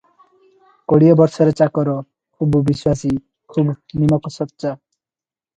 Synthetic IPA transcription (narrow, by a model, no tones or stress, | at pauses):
koɽiobɔɾʃɔɾet͡ɕakɔɾɔ | kʰubbiswasi | kʰubnimɔksɔt̪ːʃa